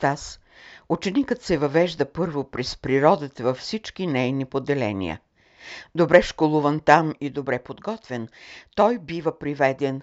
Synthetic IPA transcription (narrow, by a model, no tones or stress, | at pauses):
t̪as | ut͡ʃɛnikət̪sɛvɐvɛʒd̪əpɤɾvopɾɛspɾiɾɔd̪ət̪əvɐfsit͡ʃkinɛjnipod̪ɛlɛ̰nḭjə̰ | d̪obɾɛʃkolˠuvənt̪amid̪obɾɛpod̪ɡɔt̪vɛnt̪ɔjbivəpɾivɛd̪ɛn